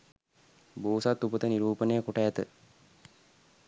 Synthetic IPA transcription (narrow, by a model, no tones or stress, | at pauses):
boːsat̪ːupət̪əniɾuːpənejəkoʈəæt̪ə